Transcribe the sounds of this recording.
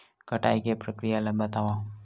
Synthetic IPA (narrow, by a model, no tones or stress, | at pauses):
kəʈa̰jkepɾəkɾijalɐmbət̪aʋã